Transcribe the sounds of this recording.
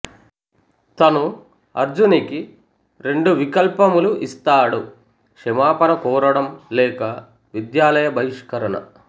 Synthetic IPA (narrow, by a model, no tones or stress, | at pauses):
t̪ɐnu | ɐɾd͡ʒuniki | ɾe̞ɳɖuʋikɐlpɐmuluʔist̪aːɽu | kʂɛmaːpɐɾɐkɔːɾɐɽɐmlɛːkɐ | ʋid̪jaːlɐjɐbʱɐjiʂkɐɾɐɳɐ̰